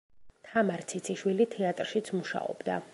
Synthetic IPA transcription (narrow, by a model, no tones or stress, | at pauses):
t̪ʰamaɾt̪sʰit̪sʰiʃwilit̪ʰɛat̪ʼɾʃit̪sʰmuʃa̰ɔ̰bd̪a